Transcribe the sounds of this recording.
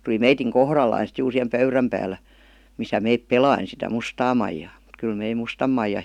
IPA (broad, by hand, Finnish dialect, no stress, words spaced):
tuli meitiŋ kohrɑlːɑi sit juːr sihem pøyræm pæːlːæ misæ meip pelɑin sitæ mustɑː mɑijɑː m̩t kyl mei mustɑm mɑijɑ